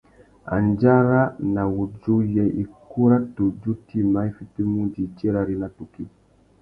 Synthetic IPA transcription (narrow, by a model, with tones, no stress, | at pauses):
a̰˨nd͡ʒa˦ɾa˦na˨wu˨d͡ʒu˦jɛ˨ʔi˨ku˦ɾa˦tu˨d͡ʒu˦ti˦ma˨˦i˦fi˦ti˦mu˦d͡ʒi˨t͡ʃɛ˦ɾa˨ɾi˦na˦tu˨ki˦